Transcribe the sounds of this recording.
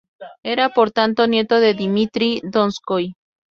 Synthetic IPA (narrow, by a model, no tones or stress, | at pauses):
eɾapoɾt̪ant̪onje̞t̪oðeðimit̪ɾid̪onskoj